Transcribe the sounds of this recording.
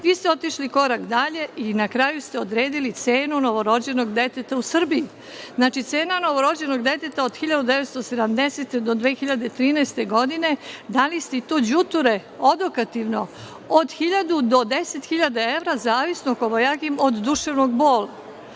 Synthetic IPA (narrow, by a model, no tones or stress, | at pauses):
ʋiːst̪eo̞t̪iʃliko̞ɾakd̪aʎe̞ʔinakɾajust̪e̞o̞d̪ɾe̞ːd̪ilit̪seːnuno̞ʋo̞ɾo̞d͡ʑe̞no̞ɡd̪e̞t̪et̪ausr̩bii | znaːt͡ʃit̪se̞ːnano̞ʋo̞ɾo̞d͡ʑe̞no̞ɡd̪e̞t̪e̞t̪aod̪xiʎad̪ud̪eʋet̪st̪o̞se̞d̪amd̪eset̪ed̪o̞d̪ʋeːxiʎad̪e̞t̪ɾiːnɛːst̪e̞ɡo̞d̪ine̞d̪alist̪eit̪oːd͡ʑut̪uɾe̞ | od̪okat̪iʋno̞ | od̪xiʎad̪ud̪o̞d̪ese̞t̪xiʎad̪ae̞ʋɾazaːʋisnokoʋojakimod̪ːuʃeʋno̞ɡbo̞ːlˠa